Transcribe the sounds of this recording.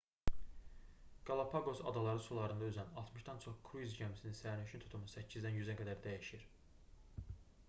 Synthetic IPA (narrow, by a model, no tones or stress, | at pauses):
ɡ̥ɑlˠɑpʰɑɡo̞sɑ̰d̪ɑlˠɑɾɯsulˠɑɾɯnd̪ɑyzænɑlˠt̪ʰmɯʃd̪ɑnt͡ʃʰo̞χkʰɾuizɟæmisininsæɾnyʃynt̪ʰu̥t̪ʰumusæcʰːizd̪ænjyzæɡæd̪æɾd̪æjeʃiiɾ